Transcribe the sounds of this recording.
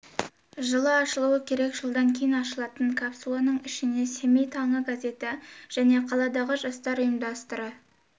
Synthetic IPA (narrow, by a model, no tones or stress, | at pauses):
ʒəlˠəɑʃəlˠuəkʲʰe̞ɾe̞kʒəlˠd̪ɑŋkʲʰe̞jɪnɑʃəlˠɑt̪əɴkʰapsulˠanəɴɪʃɪne̞se̞me̞jt̪ʰɑɴəɡaze̞t̪ɪʒ̥æne̞qʰɑlˠɑd̪ɑʁəʒɑst̪ɑɾəjəmd̪ɑst̪əɾə